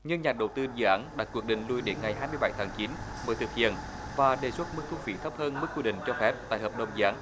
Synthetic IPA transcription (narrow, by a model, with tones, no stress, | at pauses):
ɲɨ˧ŋɲaː˨˩ɗə˨˩wt̪ɨ˧zɨ̰ː˧˨ʔaː˨˦nɗaː˨˥t̚kːwu˧˩ək̚ɗï˨˩ŋ̟lu˧jɗe˨˦nŋa˨˩jɦaː˧jmɨ˧əjɓa˧˩˦jt̪ʰaː˨˦ŋt͡ɕi˨˦nməː˨˦jt̪ɨ˨˩k̚hḭ˧˨ən | vaː˨˩ɗe˨˩swu˦˥t̚mɨ˦˥k̚t̪ʰu˧fi˨˦t̪ʰə˦˥p̚həː˧nmɨ˦˥k̚kwi˧ɗḭ̈˧˨ŋ̟t͡ɕɔ˧fɛ˦˥p̚t̪a̰ː˧˨jɦəː˨˩p̚ɗə˨˩wŋ͡mzɨ˧aː˨˦n